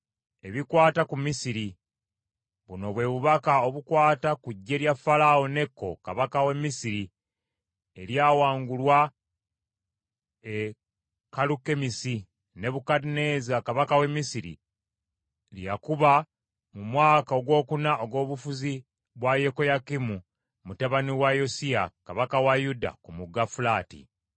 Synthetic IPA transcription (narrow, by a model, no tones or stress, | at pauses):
e̞βikwaːtakumisiɾi | βuno̞βwe̞βuβakao̞βukwaːtakuɟːe̞ɾjafalao̞ne̞kːo̞̰ka̰βakawe̞mːisiɾi | e̞ɾjaːwaːŋɡulwa | e | kaluke̞misi | ne̞βukadine̞ːzakaβakawe̞mːisiɾḭ | lijakuβa | mumwaːkao̞ɡwo̞ːkunao̞ɡo̞ːβufuzi | βwaje̞ko̞jakimu | mutaβaniwajosiakaβakawajuda̰kumuɡːafulaːtḭ